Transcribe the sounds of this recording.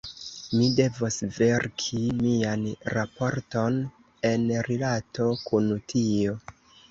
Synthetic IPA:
mide̞vosve̞ɾkʰimianɾapo̞ɾto̞n | e̞nɾilato̞kʰuntʰio̞

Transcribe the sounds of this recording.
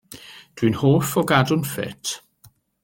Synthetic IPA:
d̥winhoːfɔɡadʊnfɛ̰tʰ

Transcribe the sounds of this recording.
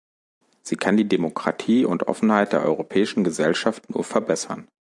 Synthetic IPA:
z̥iːkʰandiːdemokʁ̥atʰiːʊntʔɔ̰fn̩haɪt̚d̥eːɐʔɔ̰ʏʁopʰɛːɪʃn̩ɡəzɛlʃaftnṵːɐfɛɐbɛsɐn

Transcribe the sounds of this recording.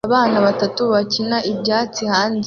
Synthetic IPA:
βaːnaβatatuβacinaʔibjaːt͡sihaːn

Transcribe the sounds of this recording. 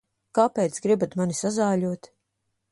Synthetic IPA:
kaːpɛːt̪sɡɾibat̪manisazaːʎʲuɔt̪

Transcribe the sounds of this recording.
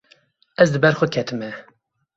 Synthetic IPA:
ɛzd̪ɨbɛɾxʷəkʲʰɛt̪ʰɨmɛ

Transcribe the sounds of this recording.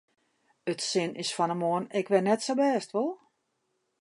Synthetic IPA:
ətsɪnʔɪsfɔnəmoənɪkʋɪnɛtsobɛːstʋolˠ

